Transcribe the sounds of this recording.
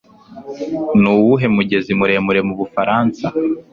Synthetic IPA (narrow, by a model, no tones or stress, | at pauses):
nuːwuɦe̞muɟe̞zimuɾe̞muɾe̞muβufaɾaːnsa